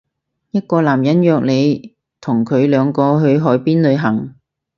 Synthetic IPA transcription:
jɐ˥t̚kɔː˧laː˨˩mjɐ˨˥njœː˨k̚le˨˧j | t̪ʰʊ˨˩ŋkʰɵ˨˧ɥlœː˨˧ŋkɔː˧ɦɵ˨˧ɥɦɔː˨˥jpiː˥nlɵ˨˧ɥɦɐ˨˩ŋ

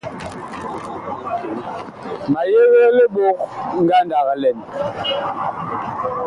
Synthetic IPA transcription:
ma˨je˦ɣe˦le˦ɓo˦k̚ŋ̩˦ɡa˦nda˨ɣa˨lɛ˨m

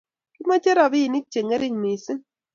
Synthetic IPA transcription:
ki˦ma˦t͡ʃe˦ɾa˨bi˦˨ni˦k̚t͡ʃe˨ŋe˦ɾi˦˨ŋmi˨si˦ŋ

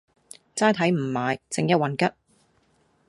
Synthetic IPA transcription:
t͡saː˥jt̪ʰɐ˨˥jm̩˨˩maː˨˧jt͡sɪ˨˥ŋjɐ˥t̚wɐ˨nkɐ˥t̚

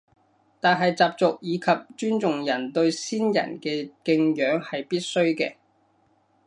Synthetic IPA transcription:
t̪aː˨nɦɐ˨jt͡saː˨p̚t͡sʊ˨k̚jiː˨˧kʰɐ˨p̚t͡ʃyː˥nt͡sʊ˨ŋjɐ˨˩nt̪ɵ˧ɥsiː˥njɐ̰˨˩nkɛː˧kɪ˧ŋjœː˨˥ŋhɐ˨jpiː˥t̚sɵ˥ɥkɛː˧

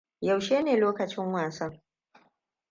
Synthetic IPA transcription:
jɐ˨wʃeː˦neː˨loː˦kɐ˨t͡ʃɪ˦ŋwaː˨sɐ˦ŋ

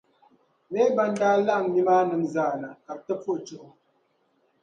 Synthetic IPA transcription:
mɛ˦ba˦n˦da˦la˦˨ŋni˦ma˦nə˨n̩˨zaː˨na˨a˨tə˦p͡fu˦ʔt͡ʃo˨ʔ

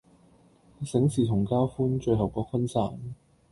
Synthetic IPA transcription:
sɪ˨˥ŋsiː˨˩t̪ʰʊ˨˩ŋkaː˥wfuː˥nt͡ʃɵ˧ɦɐ˨wkɔː˨˧˥kʰɐ˥nsa̰ː˨˩n

